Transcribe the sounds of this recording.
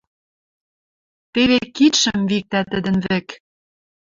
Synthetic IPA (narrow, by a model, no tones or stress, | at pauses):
t̪eβekit̪ʃɘ̆mvik̚t̪æt̪ə̆d̪ə̆nβɘ̆k